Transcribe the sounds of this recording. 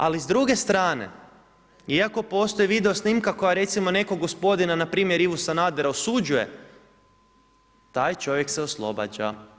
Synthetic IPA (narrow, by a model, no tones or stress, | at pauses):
alizd̪ɾuɡe̞st̪ɾaːne̞̰ | iako̞po̞ːst̪o̞jiʋid̪e̞o̞snimkako̞jaɾe̞t̪simo̞ne̞koɡːospo̞d̪inanapɾiːmjeɾiʋusanad̪eɾaosud͡ʑuje̞̰ | t̪aːjt͡ʃo̞ʋje̞kseoslˠo̞̰ba̰d͡ʑa̰